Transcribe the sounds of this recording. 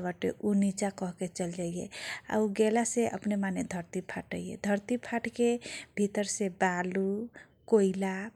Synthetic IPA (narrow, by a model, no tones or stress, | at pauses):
baʈḛʔunit͡ʃakəɦket͡ʃəld͡ʒajjḛa̰uɡelaseʔə̰pnemaned̪ʱəɾt̪ipʰaʈəjḛd̪ʱəɾt̪ipʰaʈkebʱit̪əɾsebalu | koila